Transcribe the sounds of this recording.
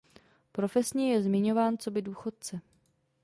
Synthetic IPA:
pɾo̞fɛsɲɛjɛzmɪɲo̞vaːnt͡so̞bɪduːxo̞t̪̚t͡sɛ

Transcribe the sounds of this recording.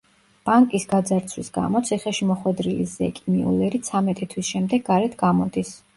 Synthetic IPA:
b̥aŋkʼisɡad̪zaɾt̪sʰwisɡa̰mɔt̪sʰiχɛʃimɔχwɛd̪ɾilizɛkʼimiṵlɛɾit̪sʰamɛt̪ʼit̪ʰwisʃɛmd̪ɛɡːaɾɛt̪ʰɡamɔd̪is

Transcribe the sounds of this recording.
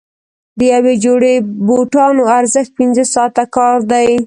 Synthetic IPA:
d̪əjawed͡ʒoɽeboʈɑnoaɾzəxt̪̚pɪnzəsɑt̪akɑɾd̪aj

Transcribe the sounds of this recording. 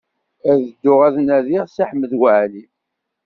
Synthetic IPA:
æðəd̪ːʊʁæðnæðiʁsaħmːəðwəʕli

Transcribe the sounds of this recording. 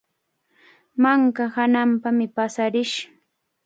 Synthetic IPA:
maŋkahanampamɪpasaɾɪʃ

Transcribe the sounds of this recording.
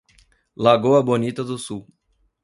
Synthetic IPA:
laɡowɐbonit̪ɐd̪ʊsuw

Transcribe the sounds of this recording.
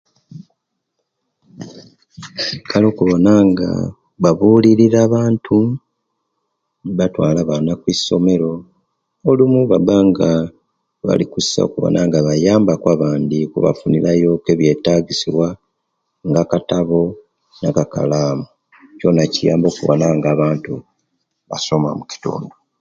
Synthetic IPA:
ikʰalo̞ːkuβo̞naŋɡa̰ | βaβuːliɾiɾaːβaːntʰu | niβatwaːlaβanakwisːo̞me̞ɾo̞ | olimuβabaːŋɡa | βa̰likusi̥sa̰okuβo̰nʔaŋɡaβajaːmbakwaβaːndikuβa̰funiɾajo̞ke̞βje̞taɡisiβwa | ŋɡakataβo̞ | nakaka̰laːmu | co̞nacijaːmbo̞ːkuβo̞̰naŋɡaːβaːntu | βa̰so̞mwamuci̥to̰ːndo

